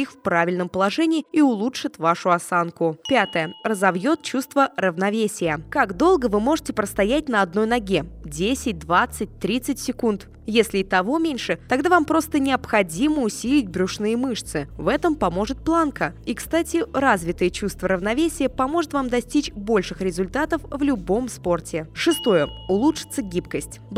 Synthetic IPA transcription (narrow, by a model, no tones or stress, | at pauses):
ixfpɾavʲɪlʲnəmpəlˠɐʐɛnʲɪːiʊlˠutʂɨt̪vaʂʊɐsankʊpʲat̪əjərəzɐvjo̞t̪̚t͡ɕust̪vərəvnɐvʲesʲɪjəkaɡd̪o̞lˠɡəvɨmo̞ʐɨtʲɪpɾəst̪ɐjætʲnəɐd̪no̞jnɐɡʲe̞dʲesʲɪt̚ʲd̪vat̪sːɨt̚ʲt̪ɾʲit̪sɨtʲsʲɪkunt̪ | jesʲlʲɪit̪ɐvo̞mʲenʲʂɨt̪ɐɡd̪avampɾo̞st̪ənʲɪɐpxɐdʲiməʊsʲilʲɪtʲbɾʲʊʂnɨjəmɨʂt̪sɨvɛt̪əmpɐmo̞ʐɨt̪̚plˠankəikst̪atʲɪɾazvʲɪt̪əjət͡ɕust̪vəɾəvnɐvʲesʲɪjəpɐmo̞ʐɨt̪vamd̪ɐsʲtʲit͡ɕbo̞lʲʂɨxɾʲɪzʊlʲt̪at̪əfvlʲʊbo̞mspo̞rtʲɪʂɨst̪o̞jəʊlˠutʂɨ̥t̪səɡʲip̚kəsʲtʲ